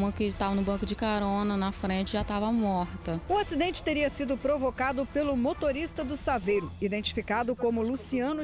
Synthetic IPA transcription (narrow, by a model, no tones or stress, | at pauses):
mɐkɪt̪avɐnʊbɐ̃kʊd͡ʒɪkaɾõnɐnɐfɾẽt͡ʃɪʒat̪avɐmɔɾt̪ɐʊasid̪ẽnt͡ʃɪ̥t̪eɾiɐsid̪ʊpɾovokad̪ʊpelʊmot̪oɾist̪ɐd̪ʊsavejɾʊid̪ẽnt͡ʃi̥fikad̪ʊkõmʊlusiɐ̃nʊ